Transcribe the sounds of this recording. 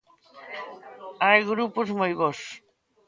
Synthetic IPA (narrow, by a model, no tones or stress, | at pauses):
ajɣɾupʊzmojβos